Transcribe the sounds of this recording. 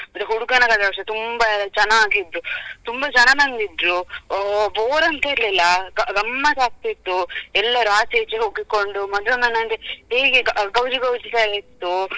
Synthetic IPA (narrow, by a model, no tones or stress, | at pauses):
mɐt̪ːeɦuɽukɐnɐkad̪aʋʂɐt̪umbɐt͡ʃɐnːaːɡid̪ɾut̪umbɐt͡ʃɐnɐmɐnd̪id̪ɾu | boːɾɐnt̪ɐiɾlilːɐɡɐɡɐmːɐsaːk̚t̪it̪ːuɛlːɐɾuaːseːt͡ʃeɦoɡikːoɳɖumɐd̪lɐnɐnːɐnɡ̪eɦeːɡeɡɡɐwd͡ʒiɡɐwd͡ʒit̪ɐlit̪ːu